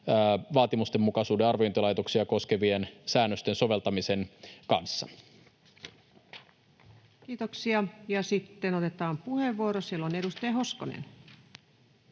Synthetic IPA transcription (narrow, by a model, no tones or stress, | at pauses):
ʋɑːt̪imust̪emːukɑsuːdeɑrʋiont̪ilɑjt̪o̞ksiɑko̞ske̞ʋiensæːnːøst̪e̞nso̞ʋe̞lt̪ɑmise̞nkɑ̰nsːɑ̰ | kiːt̪oksiɑjɑsit̪ːenot̪e̞t̪ɑːmpuheʋːuoɾosilːone̞dust̪ɑjɑɦo̞skonḛn